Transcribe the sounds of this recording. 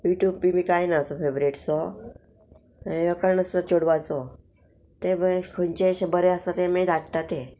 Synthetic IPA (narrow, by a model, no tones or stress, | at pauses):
juʈjub̚pimiːkajnat͡sɔfebɾeʈsɔ | ẽjəkəɾɳəsət͡ɕoɽʋat͡sɔ | t̪ebəkʰəɲt͡ɕeɕebəɾeəsat̪emẽd̪akʈ̪at̪e